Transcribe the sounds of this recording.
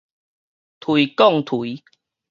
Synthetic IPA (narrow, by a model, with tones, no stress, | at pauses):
t̪ʰwui˨kɔ˥˨ŋt̪ʰu˨˦